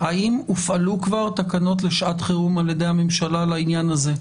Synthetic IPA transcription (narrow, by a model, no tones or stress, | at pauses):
haimufalukvaʁt̪akano̞tle̞ʃʔat̪χeʁumaljed̪e̞jame̞mʃalalainjanaze̞